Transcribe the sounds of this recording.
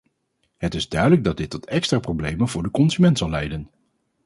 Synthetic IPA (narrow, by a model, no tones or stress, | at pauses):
ɦətɪzdœɥdələɡ̚dɑd̚dɪtːɔtɛkstraprowblejmənvʊːɹdəkɔnzymɛntsɑlˠɛjdən